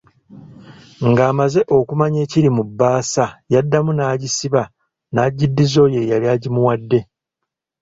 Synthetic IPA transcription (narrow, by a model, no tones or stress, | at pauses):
ŋɡaːmaze̞ʔo̞kumaɲe̞ːciɾimubːaːsajadːamunaːɟisiβa | naːɟidːizo̞je̞jaliaːɟimuwadːe̞